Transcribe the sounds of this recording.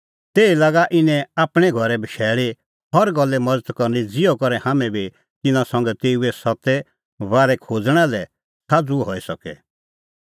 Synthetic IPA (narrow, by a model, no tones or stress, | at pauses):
t̪eːilaːɡaʔɪnɛ̃aːpɽ̃ɛɡʱɔɾɛbʱəʃɛːɭi | hɔɾɡɔlːɛmɐd͡zət̪kɔɾnid͡zɪjɔkɔɾɛhaːmɛ̃bi | t̪ɪnãsɐ̃ŋɡɛt̪eːuɛsɔt̪ɛ | ʋaːɾɛkʰoːd͡zɽ̃ɛlɛ | saːd͡zuɦɔːisɐkɛ̰